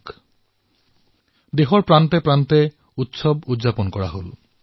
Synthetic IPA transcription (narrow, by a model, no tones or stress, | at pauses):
k | d̪eɦoɾpɾant̪epɾant̪e | ut̪ʃobud̪ːʑaponkɔɾaɦol